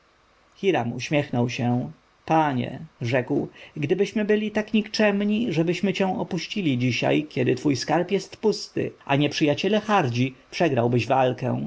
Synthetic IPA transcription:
xʲiɾamṵɕmʲjɛxnɔwɕɛ | paɲɛ̰ʐɛkwɡd̪ɘbɘɕmɘbɘlʲit̪akɲikt͡ʂɛmɲiʐɛbɘɕmɘt͡ɕɛ̃w̃ɔpuɕt͡ɕilʲid͡ʑiɕa̰jkʲɛd̪ɘt̪fujskaɾpjɛst̪pust̪ɘ̰ʔa̰ɲɛpʂɘjat͡ɕɛlɛxaɾd͡ʑipʂɛɡɾawbɘʑvalkɛ̰̃

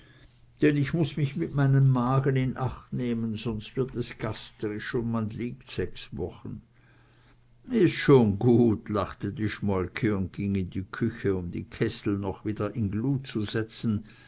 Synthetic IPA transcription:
d̥ɛnɪçmʊsmɪçmɪtmaɪnəmːaːɡənɪnʔaχtneːmənzɔnstv̥ɪɐtɛsɡ̥astəʁɪʃʊntmanliːktz̥ɛksvɔχən̩ | ɪstʃoːnɡuːtlaχtədiːʃmɔlkʰəʊnt̚ɡ̥ɪŋɪndiːkʰʏçəʊmdḭːkʰɛsl̩nɔχviːdɐʔɪnɡluːtt͡suzɛt͡sn̩

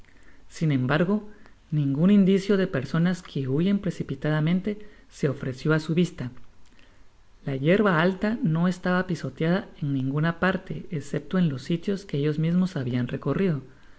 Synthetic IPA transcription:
sine̞mbaɾɣo̞ | nĩŋɡunind̪isjo̞ðe̞pe̞ɾso̞naskʰeuʝe̞mpɾe̞sipit̪aðamẽ̞nt̪e̞ | se̞o̞fɾe̞sjo̞asuβist̪a | laʝe̞ɾβaalt̪ano̞e̞st̪aβapiso̞t̪jaðaeŋnĩŋɡunapaɾt̪e̞ese̞p̚t̪o̞e̞nlo̞sːit̪jo̞ske̞eʝo̞zmizmo̞saβianre̞ko̞rið̞o̞

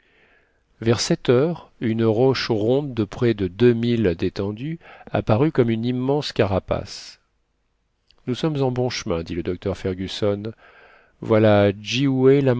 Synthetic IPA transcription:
vɛʁsɛt̪œʁynʁɔʃʁɔ̃d̪ːəpχɛd̪əd̪ømild̪et̪ɑ̃d̪ya̰paʁykɔmynimːɑ̃skʲaʁapa̰s | nusɔmzɑ̃bɔ̃ʃəmɛ̃d̪iləd̪ɔk̚t̪œʁfɛʁɡʲysɔn | vwalad͡ʒiwɛla

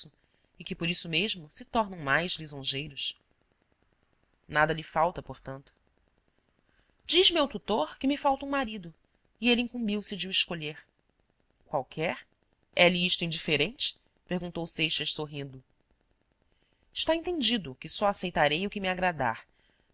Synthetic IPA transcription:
ʊ | ɪkɪpoɾisʊmeʒmʊsɪt̪ɔɾnɐ̃w̃majzlizõʒejɾʊʃ | nad̪ɐlɪfawt̪ɐpoɾt̪ɐ̃nt̪ʊ̥ | d͡ʒiʒmewt̪ut̪oɾkɪmɪfawt̪ɐũmaɾid̪ʊ | ieliĩŋkũmbiwsɪd͡ʒɪuiʃkoʎeɾ | kwawkʰɛɾ | ɛlɪiʃt̪ʊĩd͡ʒifeɾẽnt͡ʃɪ̥ | peɾɡũnt̪owsejʃɐʃsoɦĩnd̪ʊ | ɪʃt̪aẽnt̪ẽnd͡ʒid̪ʊkɪsɔasejt̪aɾejʊkɪmiaɡɾad̪a̰ɾ

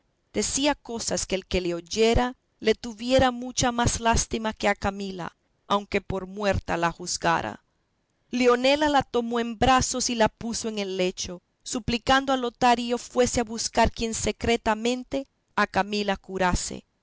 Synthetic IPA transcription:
d̪̥e̞siako̞saskeːlke̞leoʝe̞ɾa | le̞t̪uβje̞ɾamut͡ʃamaslast̪imake̞akamila̰ | awŋke̞po̞ɾmwe̞ɾt̪alaxuzɡa̰ɾa̰ | leo̞ne̞lalat̪o̞mo̞e̞mbɾaso̞silapusoeŋe̞lːe̞t͡ʃo̞ | suplikand̪oalo̞t̪aɾio̞fwe̞seaβuskaɾkje̞nse̞kɾe̞t̪amẽ̞nt̪e̞ | akamilakuɾasḛ

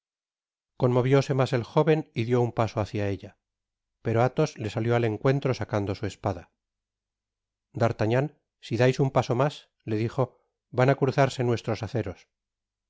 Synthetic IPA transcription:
ko̞nmo̞βjo̞se̞mase̞lxo̞βe̞niðjo̞umpaso̞aθjae̞ʎa | pe̞ɾo̞at̪o̞zle̞saljo̞ale̞ŋkwe̞nt̪ɾo̞sakand̪o̞sue̞spaða | d̪aɾt̪aɲan | siðajsumpaso̞mas | le̞ðiχo̞ | βanakɾuθaɾse̞nwe̞st̪ɾo̞saθe̞ɾo̞s

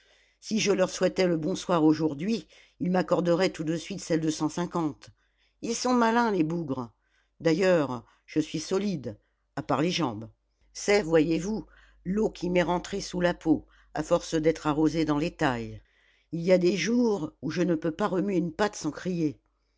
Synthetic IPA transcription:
siʒəlœʁswɛt̪ɛləbɔ̃swaʁoʒuʁd̪ɥi | ilmakɔʁd̪əʁɛt̪ud̪əsɥit̪sɛld̪əsɑ̃sɛ̃kɑ̃t̪ | ilsɔ̃malɛ̃lebuɡʁ | d̪ajœʁ | ʒ̥əsɥisɔlid̪ | apaʁleʒɑ̃b | sɛvwajevu | lokʲʰimɛʁɑ̃t̪χesulapʰo | a̰fɔʁsd̪ɛt̪χaʁozed̪ɑ̃let̪aj | ilijad̪eʒuʁuʒənəpøpaʁəmɥeynpat̪sɑ̃kχije

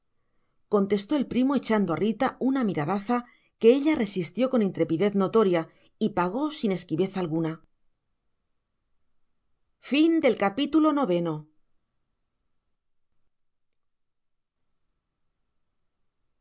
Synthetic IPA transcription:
ko̞nt̪e̞st̪o̞e̞lpɾimo̞e̞t͡ʃand̪oa̰rit̪aunamiɾaðaθa | ke̞eʎare̞sist̪jo̞ko̞nint̪ɾe̞piðe̞θno̞t̪o̞ɾja | ipaɣ̞o̞sine̞skiβe̞θaːlɣuna | find̪e̞lkapit̪ulo̞no̞β̞e̞no̞

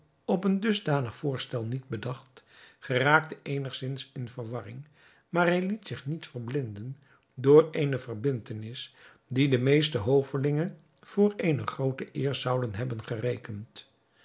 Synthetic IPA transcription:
ɔpəndɵzdaːnəχfʊːɹstɛlˠnid̚bədɑχtχəraːk̚təʔejnəχsɪnsɪnvəɹʋɑrɪŋ | maːɹɦɛjlitsɪχnitfəɹblɪndən | dʊːɹejnəvərbɪntənɪs | didəmejstəɦowvəlɪŋən | v̥ʊːɹejnəχrowtəʔɪːɹzʌwdənɦɛbənχərejkənt

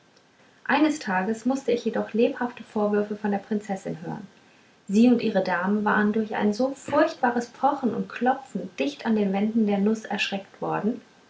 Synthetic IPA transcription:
ʔaɪnəstʰaːɡəsmʊstəɪçjedɔχleːphaftəfoːɐvʏɐfəfɔndeːɐpʁ̥ɪnt͡sɛsɪnɦø̰ːʁən | ziːʊntʔiːʁ̞ədaːmənva̰ːʁəndʊɐçʔa̰ɪnzoːfʊɐçt̚b̥aːʁəspʰɔχn̩ʊ̰ntkʰl̥ɔp͡fn̩d̥ɪçtandeːnvɛndn̩deːɐnʊsɛ̰ɐʃʁ̥ɛktv̥ɔɐdn̩

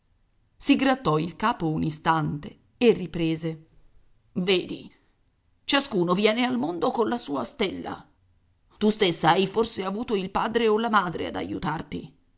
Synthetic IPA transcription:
siɡɾat̪ːɔilkaːpounist̪ant̪e | erːipɾeːze | veːd̪ḭ | t͡ʃaskuːnovjɛːnealmond̪okonlasuːast̪elːa̰ | t̪ust̪esːaajforseavuːt̪oilpaːd̪ɾeolamaːd̪ɾḛa̰d̪a̰jṵt̪art̪ḭ

